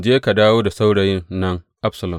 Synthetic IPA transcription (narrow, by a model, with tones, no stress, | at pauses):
d͡ʒeː˦ka˨daː˦woː˦da˨sa˦wɽɐ˨jɪ˦nnɐ˦ŋ | ʔa˦ɸsɐ˨lɐ˨m